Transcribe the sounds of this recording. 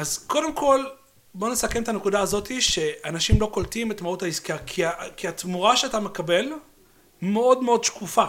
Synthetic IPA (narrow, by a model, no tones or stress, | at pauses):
ʔazko̞de̞mko̞l | bo̞nesakemet̪ane̞kudaːzo̞tiʃe̞anaʃimlo̞ko̞ltimetmauthaiskiakʰiakiat̪muʁaʃeatame̞kabe̞l | meo̞dmeo̞dʃkufa